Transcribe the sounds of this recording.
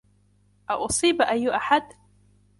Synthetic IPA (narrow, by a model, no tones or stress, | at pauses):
ʔaʔʊsˤiːbʔajːʔaħad̪